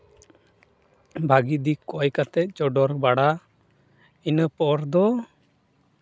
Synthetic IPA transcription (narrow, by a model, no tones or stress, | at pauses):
bʱaɡid̪ikɔjkat̪ɛt̪̚d͡ʒɔɖɔɾbaɽa | inəpɔɾd̪ɔ